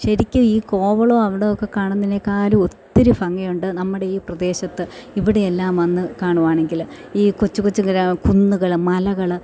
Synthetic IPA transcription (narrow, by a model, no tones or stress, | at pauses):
ɕɐɾikʲːɨiːko̞ːʋɐɭoːɐʋiɽejokːe̞kaːɳunɐinːekːaːɾuot̪ːiɾufɐŋːɐjuɳɖɨnɐmːuɽe̞iːprɐd̪e̞ːɕɐt̪ːɨiʋiɽeelːaːmʋɐnːɨkaːɳuʋaːɳe̞ŋɡil | iːkot͡ɕːukot͡ɕːuŋɡɐɾakunːuɣɐɭmɐlɐɣɐɭ